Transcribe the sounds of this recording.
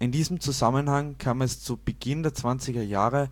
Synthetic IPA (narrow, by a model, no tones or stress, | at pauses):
ʔɪndiːzəm̩t͡suzamənhaŋkʰaːmɛst͡sub̥əɡ̥ɪndeːɐt͡sv̥ant͡sɪɡɐjaːʁə